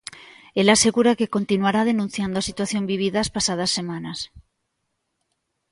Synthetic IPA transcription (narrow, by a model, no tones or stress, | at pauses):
elaseɣuɾakekont̪inuaɾað̞enũn̟θjand̪oasit̪waθjombiβ̞iðaːspasað̞ɐsːemãnɐs